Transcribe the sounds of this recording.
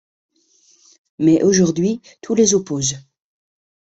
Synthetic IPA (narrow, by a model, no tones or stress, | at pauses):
mɛʔoʒuʁd̪ɥi | t̪ʰulezopoːz